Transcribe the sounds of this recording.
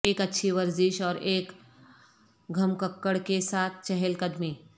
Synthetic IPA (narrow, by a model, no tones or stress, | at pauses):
eːkɐtːʃʰiʋɐɾzɪʃɔːɾʔeːk | ɡʱɐmkəkːəɽkesaːt̪̚ʰt͡ʃɛɦelkəd̪miː